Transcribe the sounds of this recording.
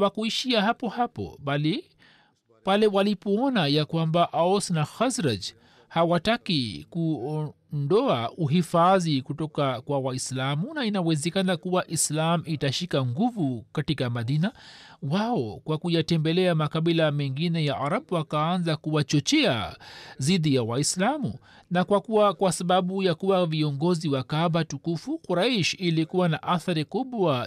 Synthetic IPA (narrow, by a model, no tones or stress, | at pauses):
wakuiʃiaɦapɔhapɔ̰ɓali | palɛwalipɔɔnajakwambaʔaɔsnaxazɾad͡ʒ | hawatakikuɔ | ndɔauɦifaðikutɔkakwawaislamunainawɛzɛkanakuwaʔislamitaʃikaŋɡuvukatikamaðinawaɔkwakujatɛmbɛlɛamakaɓilamɛŋɡinɛjaʔaɾaɓwakaanzakuwat͡ʃɔt͡ʃɛa̰ziðijawaislamu | nakwakuwakwasaɓaɓujakuwaviɔŋɡɔziwakaɓatukufukuɾaiʃilikuwanaʔaθaɾikuɓwa